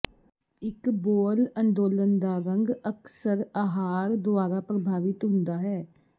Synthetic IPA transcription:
ɪkboːlənd̪oːlənd̪aːɾə̃ŋɡəksəɾaːɦaːɾd̪ʊaːɾaːpɾəbʱaːʋɪt̪ɦʊ̃nd̪aːɦɛː

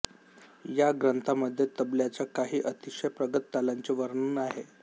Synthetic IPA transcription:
jaɡɾənt̪ʰaməd̪ʱːjet̪əbljat͡ɕjakaɦiːʔət̪iʂəjpɾəɡət̪ːalaɲt͡ɕeʋəɾɳunaɦe

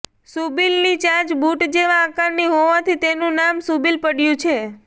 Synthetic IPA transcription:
subilnit͡ʃãt͡ʃbuʈd͡ʒeʋãːkaɾniɦoʋat̪ʰit̪enũnamsubilpəɽjũt͡ʃʰe

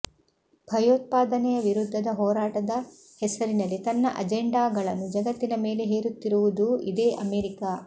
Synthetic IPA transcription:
b̥ʱɐjoːt̪̚paːd̪ɐnɛjɐʋiɾud̪ʱːɐd̪ɐɦɔːɾaːʈɐd̪ɐ | hɛsɐɾinɐlːit̪ɐnːɐ̰ʔɐ̰d͡ʒeɳɖaːɡɐɭɐnːud͡ʒɐɡɐt̪ːinɐme̞ːle̞ɦeːɾut̪ːiɾuʋud̪uid̪e̞ːʔɐmeːɾikaː

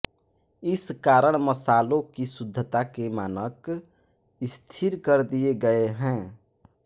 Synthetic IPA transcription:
ɪskaɾəɳ̃məsalokisud̪ʱːət̪akemaːnək | ɪst̪ʰiɾkəɾd̪ieɡəeɦɛ̃

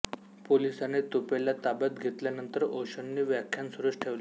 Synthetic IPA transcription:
polisanet̪opelat̪abət̪ɡʱet̪ljanənt̪əɾoɕənːiːʋjakʰːjansuɾəʂʈʰeʋle

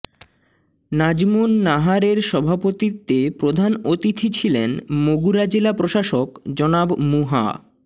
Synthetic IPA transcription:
nad͡ʑmunːaɦaɾeɾʃɔbʱapot̪it̪ːepɾod̪ʱanot̪it̪ʰit͡ɕʰilenmoɡuɾad͡ʑelapɾoʃaʃokd͡ʑɔnabmuɦa̰

